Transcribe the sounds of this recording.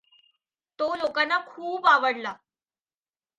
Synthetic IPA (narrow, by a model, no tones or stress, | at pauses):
t̪olokanːakʰuːpaʋəɽla